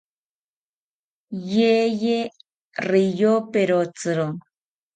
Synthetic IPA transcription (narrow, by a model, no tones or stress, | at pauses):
jeje | rijopeɾot͡sɨɾo